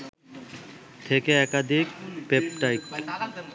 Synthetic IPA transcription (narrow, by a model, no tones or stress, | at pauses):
t̪ʰekeɛkad̪ʱikpepʈajk